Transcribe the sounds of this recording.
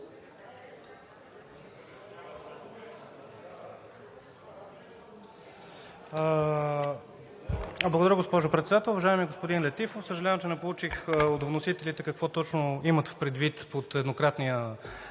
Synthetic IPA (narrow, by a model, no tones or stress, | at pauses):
blˠəɡod̪ɐɾəɡospɔʒʊpɾɛt̪sd̪at̪ɛlˠʊvɐʒaɛmiəɡospod̪inlʲɛt̪ifofsəʒɐlʲavɐəmt͡ʃɛnɛpolˠut͡ʃixot̪vnosit̪ɛlit̪ɛkɐkvɔt̪ɔt͡ʃnoimət̪fpɾɛd̪vit̪pot̪ɛd̪nokɾat̪nijə